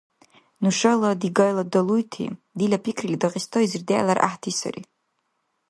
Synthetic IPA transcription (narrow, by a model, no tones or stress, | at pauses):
nuʂaladiɡajladalujtʰḭ | dilʲapʰikʰrilʲidaqʼistʰoizɨrdeja̰larʔa̰ħtʰisa̰rḭ